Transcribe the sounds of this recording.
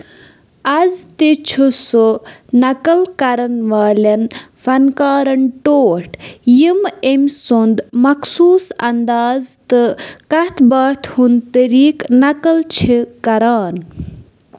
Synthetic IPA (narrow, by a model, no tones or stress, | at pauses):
ɐzt̪et͡ʃʰusonɐkɐlkɐɾɐnʋaːlɐnfɐnkaːɾɐɳʈoːʈʰjimemsund̪mɐksuːsɐ̰nd̪aːzt̪ɨkɐt̪ʰbɐːt̪ʰhunt̪əɾiːknɐkɐlt͡ʃʰikɐɾaːn